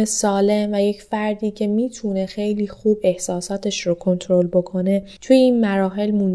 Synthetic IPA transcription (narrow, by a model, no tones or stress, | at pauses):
esɒːle̞mvæje̞cfæɾd̪iːcʰe̞miːt̪ʰune̞xe̞jliːxuːbe̞hsɒːsɒːt̪ʰe̞ʃɾokʰo̞nt̪ʰoɾo̞lbo̞kʰo̞ne̞t̪ʰujeiːnmæɾɒːɦe̞lmun